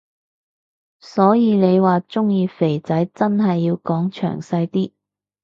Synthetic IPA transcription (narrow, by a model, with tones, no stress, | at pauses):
sɔː˨˥jiː˨˧ne˨˧jwaː˨t͡sʊ˥ŋjiː˨˧fe˨˩jt͡sɐ˨˥jt͡sɐ˥nɦɐ˨jːiː˧wkɔː˨˥ŋt͡ʃʰœ̰ː˨˩ŋsɐ˧jt̪iː˥